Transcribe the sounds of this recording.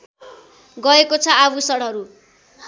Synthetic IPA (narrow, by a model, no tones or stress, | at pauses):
ɡʌekot͡sʰʌabusʌɽʌɾu